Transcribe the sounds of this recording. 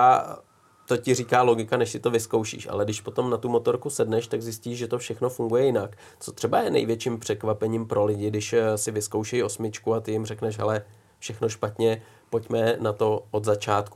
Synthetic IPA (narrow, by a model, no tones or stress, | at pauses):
a | t̪o̞cɪriːkaːlo̞ɡɪkanɛʃsɪt̪o̞vɪsko̞wʃḭːʃʔa̰lɛdɪʃpo̞t̪o̞mnat̪umo̞t̪o̞ɾkusɛdnɛʃt̪aɡzɪsciːʒʒɛt̪ofʃɛxno̞fuŋɡujɛjɪnak | t͡sot̪r̥ɛbajɛnɛ̰jvjɛt͡ʃimpr̝̥ɛkvapɛɲimpɾʔo̞lɪɟɪdɪʃsɪvɪsko̞wʃɛjo̞smɪt͡ʃkuat̪ɪjɪmrɛknɛʃɦɛ̰lɛ | fʃɛxno̞ʃpat̪ɲɛ | po̞cmɛnat̪o̞ʔod̪zat͡ʃaːt̪ku